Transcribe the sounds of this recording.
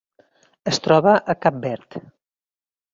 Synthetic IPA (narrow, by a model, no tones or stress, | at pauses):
əst̪ɾɔβəʔəkap̚bɛɾt̪